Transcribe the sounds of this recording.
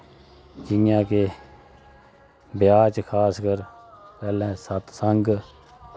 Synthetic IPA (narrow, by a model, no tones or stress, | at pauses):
d͡ʒɪjãːkeː | bɪjaːt͡ʃkʰaːskəɾpɛːlɛ̃ːsət̪səŋɡ